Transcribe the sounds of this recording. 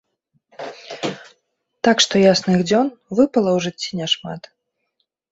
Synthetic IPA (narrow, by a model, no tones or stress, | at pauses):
t̪akʂt̪ɔjasnɨɣd͡zʲɔnvɨpɐlˠɐwʐɨt͡sʲːinʲɛʂma̰t̪